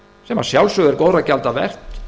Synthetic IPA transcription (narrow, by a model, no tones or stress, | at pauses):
sɛmḁsjawlsʏɣɛɾkoːwɾacalt̪avɛ̰r̥t̪